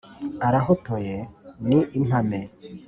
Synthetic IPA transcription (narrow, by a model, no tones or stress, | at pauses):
aɾaɦotojeniʔin̥ame